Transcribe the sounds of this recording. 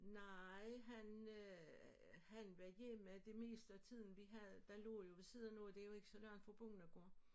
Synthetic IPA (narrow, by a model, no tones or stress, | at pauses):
nɑɪɦæn | hænʋæjemæd̥e̝me̝̰ːsd̥əæt͡sʰið̰ˠn̩ʋiɦæð̩ˠd̥ælo̰ːjo̝ʋ̥e̝sið̰ˠɐnod̥e̝joe̝ɡ̥əsɒ̽læɐ̰hænfɒb̥ɔŋn̩æɡ̥ɔ̰ɐ̰